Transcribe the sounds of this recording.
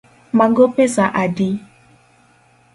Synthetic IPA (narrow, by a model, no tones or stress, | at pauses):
mãŋɡopezaʔadi